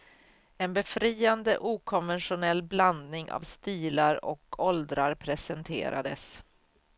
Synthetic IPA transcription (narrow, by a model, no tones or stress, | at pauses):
ɛnbɛfɾiːand̪əʔuːkʰɔnvɛnɧʊnɛlːbland̪nɪŋʔa̰vst̪iːlaɾɔ̰kʰɔld̪ɾaɾpʰɾɛsɛnt̪ʰḛːɾʔa̰d̪əs